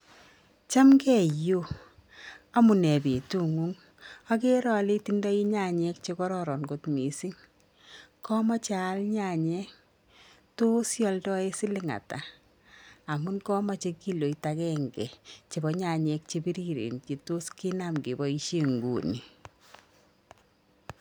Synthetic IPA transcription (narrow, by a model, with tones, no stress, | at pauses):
t͡ʃa˦mɡɛ˦˨jo˦ | a˦mu˨nɛ˨be˨tu˦ŋu˦ŋ | a˦ke˦ɾɔ˦˨li˦ti˦ndɔ˦i˦ɲa˦˨ɲɛ˦k̚t͡ʃe˧kɔ˦ɾɔ˦ɾɔ˨nɡo˨tmi˨si˦ŋ | kɔ˦ma˦t͡ʃa˨˦lɲa˦˨ɲɛ˦k | to˦sjɔ˦ldɔ˦e˦sɪ˦lɪ˦ŋa̰˨ta˨ | a˨mu˦nkɔ˦ma˦t͡ʃe˦ki˦lo˨i˦takɛ˦ŋɡɛ̰˨t͡ʃe˨bɔ˨ɲa˨ɲɛ˨˦k̚t͡ʃe˦bi˦ɾi˦ɾḛ˨nt͡ʃe˨to˦ski˦na˦mɡe˨bɔ˦i˦ʃe˦ŋɡṵ˨ni˨